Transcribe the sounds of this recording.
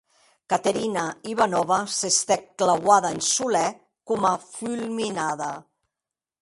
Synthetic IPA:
kat̪eɾinaiβanɔβasest̪ɛkklawaðaensulɛ | kumafylˠminaða

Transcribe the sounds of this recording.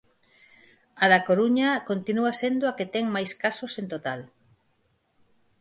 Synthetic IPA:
aðakoɾuɲɐkont̪inuasend̪oaket̪ɛŋmajskasosẽnt̪ot̪al

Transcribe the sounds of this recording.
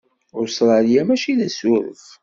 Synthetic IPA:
ʊɾsɾˤɑljæmæʃiðæsʊɾə̰θ

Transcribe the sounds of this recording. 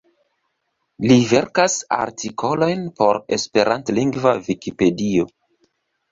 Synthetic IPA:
live̞ɾkasa̰ɾtʰikʰo̞lo̞jnpo̞ɾe̞̰spe̞ɾʔantliŋɡvavikipe̞dio̞

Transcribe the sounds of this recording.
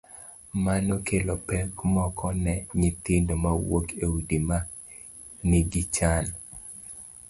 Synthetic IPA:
manokʰelopɛkmɔkʰɔnɛɲit̪ɪndomawokewidima | niɡit͡ʃan

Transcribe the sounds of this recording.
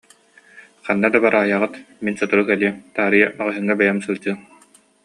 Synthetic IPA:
χanːad̪abaɾʔaːjaʁɯt̪minsɔt̪uɾukɛliɛmt̪aːɾɯjamaʁɯɦɯŋːabɛjamsɯlˠd͡ʑɯ

